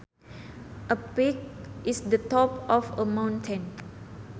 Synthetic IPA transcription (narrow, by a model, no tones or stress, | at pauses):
ʔəpik̚isdətɔpɔfəmãwntʰə̃n